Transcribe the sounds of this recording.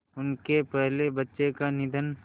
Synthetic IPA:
ʊnkepɛɦlebɐtːʃekanɪd̪ʱən

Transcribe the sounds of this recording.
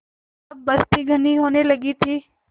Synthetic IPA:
bɐst̪ʰiɡʱɐniɦoːnelɐɡit̪ʰiː

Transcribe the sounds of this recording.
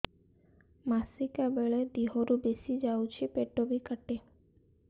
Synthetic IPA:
masikabeɭed̪iɦoɾubesid͡ʒawt͡ʃʰepeʈobikəʈe

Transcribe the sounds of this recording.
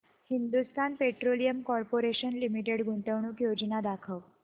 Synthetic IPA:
hind̪ust̪anpeʈɾolijəmkɔɾpoɾeɕənlimiʈeɽɡʱuɳʈəʋɳ̃uːkjod͡ʑnad̪akʰəw

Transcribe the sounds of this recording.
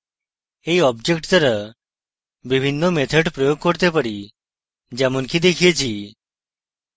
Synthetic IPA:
ejɔbd͡ʒekʈt̪əɾə | bibʱinːɔmet̪ʰeɖpɾɔjoɡ̚kɔɾt̪epəɽi | d͡ʒamɔnkid̪ekʰijət͡ʃʰi

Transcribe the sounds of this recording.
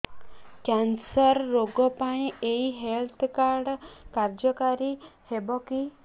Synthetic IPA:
kjansɔɾːoɡɔpaĩeiɦelt̪ʰkaɾɖkaɾd͡ʒɔkaɾihebɔki

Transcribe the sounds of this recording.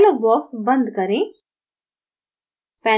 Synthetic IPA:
lobɔːksbə̃nd̪kəɾẽː | pɛ̃ː

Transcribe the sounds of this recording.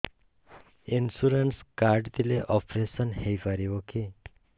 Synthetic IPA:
insuɾənskaɾɖt̪ileʔɔpɾesənhefaɾiʋokʰe

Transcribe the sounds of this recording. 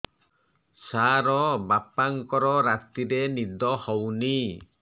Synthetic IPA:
saɾɔbapaŋkɔɾɔɾat̪iɾenid̪ɔhɔwni

